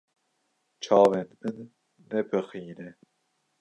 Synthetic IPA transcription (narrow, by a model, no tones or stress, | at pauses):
t͡ʃʰɑːvɛnmɨnː | ɛpʰɨxiːnɛ